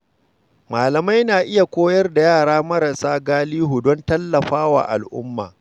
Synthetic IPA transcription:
maː˨lɐ˨ma˦jnaː˨ʔɪ˦ja˨kʷoː˦jɐ˦rda˨jaː˦˨ɽaː˦mɐ˦ɾɐ˨saː˦ɡaː˦liː˦ɦu˨dɔ˦ntɐ˦lːɐ˨ɸaː˦wa̰ː˨ʔa̰˨lʔʊ̰˦mːa̰ː˨

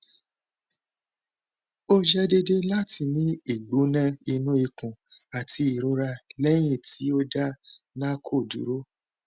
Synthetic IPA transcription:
o˦d͡ʒɛ˦de˧de˦la˦ti˧˨nĩ˦i˦˨ɡ͡bo˨˦nã˧i˧nũ˦i˧kũ˨a˨ti˧i˨ɾu˨˧ɾa˧lɛ˦j̃ĩ˦˨ti˨˦o˦da˦ | nã˦kʰo˦˨dṵ˨˦ɾo˦

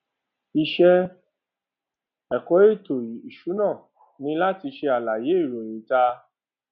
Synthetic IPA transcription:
i˧ʃɛ˦˧ | ɛ˨kɔ˨˦e˦˨to˨i˨i˨ʃu˨˦nã˦˨ | nĩ˧˦la˦ti˧ʃe˧a˨la˨je˨˦i˦˨ɾo˨je˨˦ta˧

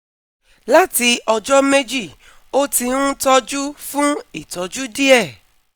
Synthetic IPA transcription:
la˦ti˧ɔ˧d͡ʒɔ˦me˦d͡ʒi˦˨ | o˦ti˧nũ˦tɔ˧d͡ʒu˦fũ˦i˦˨tɔ˨d͡ʒu˦di˦ɛ˦˨

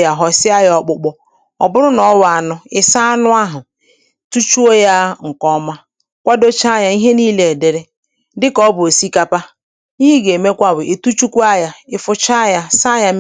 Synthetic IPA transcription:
ja˨ɦɔ˨sɪ˦a˦jɔ˨k͡pʊ˦k͡pʊ˦ | ɔ̰˨bʊ˦ɾʊ˦nɔ˨˦wa˨nʊ˦ɪ˦sa˦a˦nʊ˦a˦ɦʊ˨ | tu˦t͡ʃu˦o˦ja˦ŋ̩˨kɔ˦ma˦ | kʷa˦do˦t͡ʃa˦ja˨i˦ɦe˦niː˦le˨e˨de˨ɾe˦ | dɪ˦kɔ˦bʊ˨o˨si˦ka˦pa˦ | i˦ɦi˦ɡe˨me˦kʷa˦bʊ˨e˨tu˦t͡ʃu˦kʷu˦a˦ja˦ɪ˨fʊ˨t͡ʃa˦ja˦sa˦ja˦m

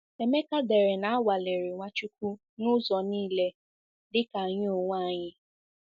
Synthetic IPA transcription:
e˨me˦ka˦de˨ɾe˨na˨a˦wa˨le˨ɾi˨ŋʷa˦t͡ʃu˦kʷu˦ | nʊ˦zɔ˨niː˦le˦ | dɪ˦ka˨ɲ˦o˨ŋʷa˦˨ɲɪ˦

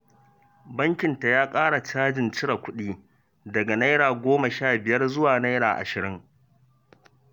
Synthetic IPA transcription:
bɐ˦ŋkʲɪ˨nta˨jaː˦kʼaː˦ɽa˨t͡ʃaː˦d͡ʒɪ˨nt͡ʃɪ˦ɽa˨kʷʊ˦ɗiː˦ | dɐ˨ɡa˨na˦jɽaː˨ɡʷoː˦ma˨ʃaː˦˨bɪ˨jɐ˦rzʊ˦waː˨na˦jɽaː˨ʔa̰˨ʃɪ˨ɾɪ˦ŋ

